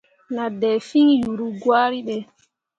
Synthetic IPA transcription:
na˨dɛ˨fi˦ŋjuɾu˨ɡwaː˦ɾi˦ɓɛ

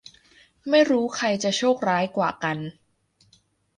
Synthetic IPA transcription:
ma˥˩jɾuː˦˥kʰa˧jt͡ɕa˨˩t͡ɕʰoː˥˩k̚ɾaː˦˥jkwaː˨˩ka˧n

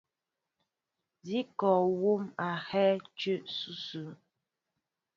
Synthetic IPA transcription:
zi˦kɔ˨wo˦ma˨hɛ˦t͡ʃʉ˦˨ʔsu˦sʉ˨˦

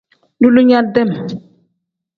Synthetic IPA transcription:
du˦lu˦ɲa˦dɛ˦˨m

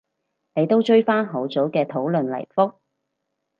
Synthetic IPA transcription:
ne˨˧jt̪o˥wt͡ʃɵ˥ɥfaː˥nɦo˨˥wt͡so˨˥wkɛː˧t̪ʰo˨˥wlɵ˨˧nlɐ̰˨˩jfʊ˥k̚

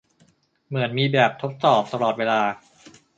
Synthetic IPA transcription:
mɯ˩˦ənmiː˧bɛː˨˩p̚t̪ʰo˦˥t̪̚sɔː˨˩p̚t̪a˧lɔː˨˩t̪̚weː˧laː˧

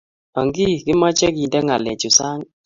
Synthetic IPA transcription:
a˨ŋɡi˦˨kɪ˦ma˦t͡ʃɛ˦ki˨ndɛ˦ŋa˨lɛ˨t͡ʃu˨sa˦ŋ

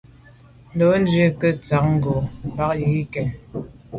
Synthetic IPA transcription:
n̩˦do˨˦n˦d͡ʒɥə˦kə˦t͡sa˨k̚ŋ̩˦ɡo˨m˨ba˦k̚ji˨˦kɛ˨n

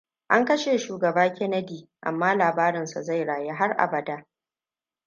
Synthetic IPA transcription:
ʔa˦ŋkɐ˦ʃeː˨ʃuː˨ɡɐ˨baː˦kʲɛ˦nɐ˦diː˨ʔa̰˨mːaː˦laː˨baː˦ɾɪ˨nsa˨za˦˨jɽaː˨je˦ɦa˦rʔa̰˨bɐ˨da˦

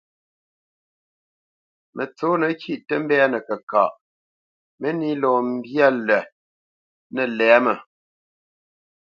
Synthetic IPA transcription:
mʔə˨t͡so˨˦nə˨kʰi˦˨ʔtə˦m̩˦bɛ˦a˦nə˨kə˨ka̰˨ʔ | mə˦ni˦lɔː˨m̩˦bja˦lɛ˨ | nə˨lɛː˨˦mə˨

